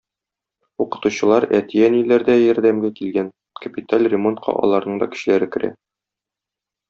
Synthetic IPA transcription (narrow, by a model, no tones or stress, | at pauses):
uqɤ̥̆t̪uɕɤ̆lˠɑɾæt̪ijænilæɾd̪æjɒ̆ɾd̪æmɡækilɡæn | kəpʲit̪alʲrʲɪmo̞nt̪qʰɑ̰ʔɒ̰lˠɑɾnɤɴd̪ɒ̰kɘ̥̆ɕɘ̆læɾɘkɘ̆ɾæ̰